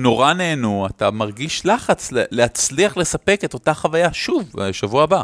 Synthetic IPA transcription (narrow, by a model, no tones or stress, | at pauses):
no̞ʁane̞ːnuatamaʁɡiʃlaχat͡slele̞at͡sliaχle̞sape̞ke̞t̪o̞taχavajaʃuveʃavuaaba